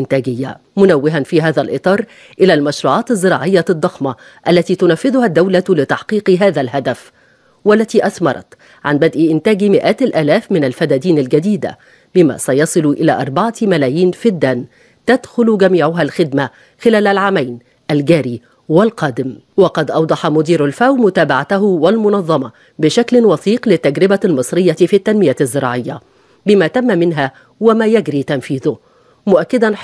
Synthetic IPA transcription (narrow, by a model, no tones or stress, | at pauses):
ʔɪnt̪æːɡɪjːa̰mʊnawːɪɦanfiːɦaːðalʔɨt̪ˤɑːɾˤ | ʔɪlæːlmaʃɾˤuːʕɑːt̪ɪzˤːɨɾɑ̰ːʕɪjːad̪ˤːɑxmɑ | ʔalːat̪iːt̪ʊnafːɪðʊhad̪ːawlalɪt̪ɑħqiːqɦaːðalɦad̪af | walːæt̪iːʔaθmɑɾˤɑ̰t̪ | ʕanbad̪ʔiʔɪnt̪æːɡmɪʔaːt̪ɪlʔæːlæːfmɪnalfæd̪æːd̪iːnalɡad̪iːd̪a̰ | bɪma̰ːsajɑsˤɨlʊʔɪla̰ːʔɑɾˤbɑʕɑmalæːjiːnfid̪ːæːn | t̪ad̪xʊlʊɡæmiːʕʊɦalxɪd̪ma | xɪlæːlalʕaːmajn | ʔalɡæːɾiː | wɪlqɑːd̪ɪm | wɑqɑd̪ʔɑwd̪ˤɑħɑmʊd̪iːɾalfawmʊt̪aːbaʕat̪aɦʊwalmʊnɑðˤːɑmɑ | bɪʃaklɪwɑθiːqlɪt̪ːaɡɾɪbalmɨsˤɾɪjːɑfit̪ːanmɪjazːɪɾˤɑ̰ːʕɪjːa | bɪmaːt̪amːmɪnɦa | wɪmaːjæɡɾiːt̪anfiːðʊ | mʊʔakːɪd̪an